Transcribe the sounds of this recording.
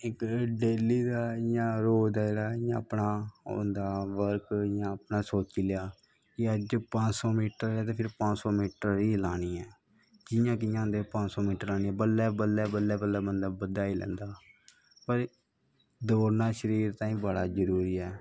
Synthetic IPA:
ɪkɖeːliːd̪aːjãːɾoːd̪aːɾaːjãːəpɳaːõ̰ːnd̪aːʋəɾkjãːəpnaːsoːt͡ʃiːlɪjaː | kɪəd͡ʒpə̃t͡ʃsɔːmiːʈəɾaːt̪eːpʰɪɾpãt͡ʃsɔːmiːʈəɾiːlaːniːɛː | d͡ʒɪjãːk̬ɪjãːnd̪eːpãt͡ʃsɔːmiːʈəɾaːniːɛːbəlːɛːbəlːɛːbəlːɛːbəlːɛːbənd̪aːbəd̪aːilɛ̰̃ːnd̪aː | pəɾ | d̪oːɾnaːʃəɾiːɾt̪ãːĩːbəɽaːzəɾuːɾiːɛː

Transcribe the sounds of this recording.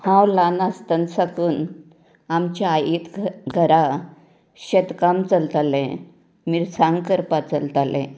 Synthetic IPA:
hãwlanast̪ənsakuːn | amt͡ɕaːjit̪ɡʱəɾa | ɕət̪kamt͡səlt̪alɛ̃ | miɾsãŋɡkəɾpat͡səlt̪alɛ̰̃

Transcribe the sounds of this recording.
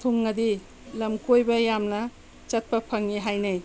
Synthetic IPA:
t̪ʰuŋnɐd̪i | lɐmkojbɐjamnɐ | t͡ʃɐt̪̚pɐpʰɐŋːiɦajnɐj

